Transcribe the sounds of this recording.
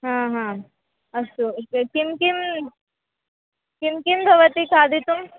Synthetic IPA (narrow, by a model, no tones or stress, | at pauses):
ɦãːɦãː | ɐsukimkim | kimkimbʱɐʋət̪ikʰaːd̪ʱit̪um